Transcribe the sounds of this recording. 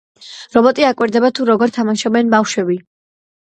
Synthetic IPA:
ɾɔbɔt̪ʼiakʼwiɾd̪ɛbat̪ʰuɾɔɡɔɾt̪ʰamaʃɔbɛnbafʃwɛbi

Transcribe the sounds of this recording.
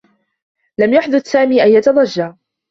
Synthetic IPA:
lamjaħd̪ʊd̪saːmiːʔanjat̪ɑd̪ˤɑʒːaː

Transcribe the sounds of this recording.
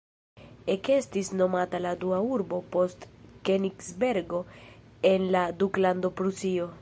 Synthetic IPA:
eke̞stisno̞mataladuauɾbo̞po̞stkeniksbe̞ɾɡo̞e̞nladuklando̞pɾusio̞

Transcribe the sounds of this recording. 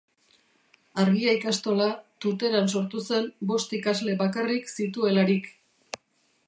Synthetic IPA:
aɾɣiajkast̪o̞lat̪ut̪̬e̞ɾans̬o̞ɾt̪use̞mbo̞st̪ikazle̞βakariksit̪ue̞laɾik

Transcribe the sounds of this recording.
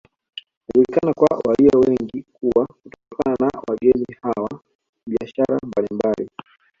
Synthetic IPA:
naʄulikanakwa̰waliawɛŋɡikuwakutɔkʰananawaɠɛnihawa | ɓiaʃaɾa̰mbalimbali

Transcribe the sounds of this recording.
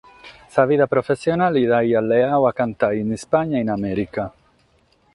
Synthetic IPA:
saviðapɾofesːjonaliðajalːeawakant̪ainispaɲːainamɛɾika

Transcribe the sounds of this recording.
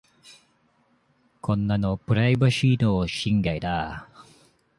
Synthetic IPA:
kʰonːanopɯɾajbaɕit̪oɕiŋɡajda

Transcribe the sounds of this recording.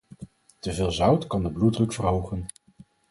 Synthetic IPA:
təvɪːlˠzʌwtkɑndəbludrɵkfərɦowχən

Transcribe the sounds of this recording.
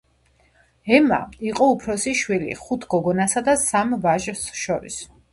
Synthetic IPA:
ɛma̰iqʼɔupʰɾɔsiʃwilḭχut̪ʰɡ̥ɔɡɔnasad̪asamvaʒɾsʃɔɾḭs

